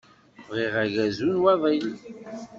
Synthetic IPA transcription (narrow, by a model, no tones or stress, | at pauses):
vʁiʁæʝæzunwɑðˤil